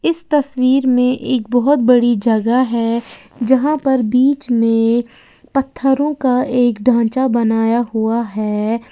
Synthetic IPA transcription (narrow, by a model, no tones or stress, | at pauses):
ɪst̪ɐswiːɾmẽʔeːk̚bɔɦʊt̪bɐɽid͡ʒɐɡaɦɛːd͡ʒɐɦãpɐɾbiːt͡ʃmẽ | pɐt̪ʰːəɾõkaeːkɖʱãːt͡ʃabɐnaːjaɦuaɦɛː